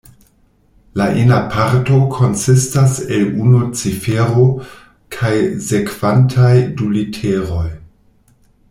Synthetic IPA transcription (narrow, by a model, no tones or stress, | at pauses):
laʔinapʰaɾto̞kʰo̞nsistaselunot͡sifeɾo̞ | kʰajse̞kv̥antʰajdulitʰeɾo̞j